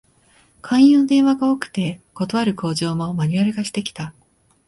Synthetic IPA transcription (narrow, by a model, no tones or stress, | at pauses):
kʰãɰ̃jɯːnod̪ẽ̞ɰ̃βaɡaokɯ̟̥t̪e̞ko̞t̪o̞βaɾɯ̟ko̞ːʑo̞ːmomaɲ̟iaɾʲɯɡaɕi̥t̪e̞kʲi̥t̪a